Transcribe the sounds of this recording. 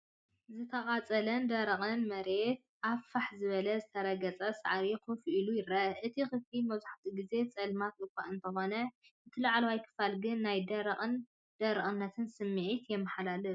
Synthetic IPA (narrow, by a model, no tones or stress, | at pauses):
zɨt̪ʰɐχʼat͡sʼɐlɐnd̪ɐɾɐχʼɨnmɐɾe̞t̪ | ʔafaħzɨβɐlɐzɨt̪ʰɐɾɐɡɐt͡sʼɐsa̰ʕɾikʰɨfilujɪɾɐʔɨt̪ʰixɨflimɐzuħt̪ʰiɡize̞t͡sʼɐlmat̪ɨkʷʰːaʔɨnt̪ʰɐxo̞nɐʔɨt̪ʰɨlɐʕalwajkʰɨ̥falɡɨnːajd̪ɐɾʼn | d̪̥ɐɾɨχʼɨnːɐt̪ʰɨnsɨmːɨʕit̪jɛmːɨħalalɨ